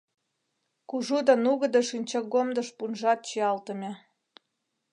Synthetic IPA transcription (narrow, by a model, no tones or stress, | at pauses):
kuʒud̪ɑnuɣə̆d̪ɤʃinʲt͡ɕɑɡomd̪ə̆ʃpunʒɑt̪̚t͡ɕiɑlt̪ə̆mʲe